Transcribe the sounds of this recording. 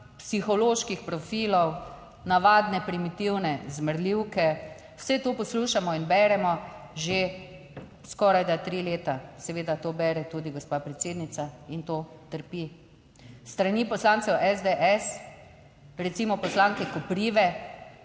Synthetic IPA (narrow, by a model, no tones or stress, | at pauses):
psixɔloːʃkixpɾɔfiːlɔw | naʋaːd̪nɛpɾimit̪iwnɛzməɾliwkɛ | wsɛt̪oːpɔsluːʃamɔinbɛːɾɛmɔʒe | skɔɾajd̪at̪ɾileːt̪asɛʋeːd̪at̪oːbɛːɾɛt̪uːd̪iɡɔspapɾɛt̪seːd̪nit̪saint̪oːt̪əɾpi | st̪ɾaniːpɔslaːnsɛwʔɛzd̪eʔɛs | ɾɛt̪simɔpɔslaːŋkɛkɔpɾiːʋɛ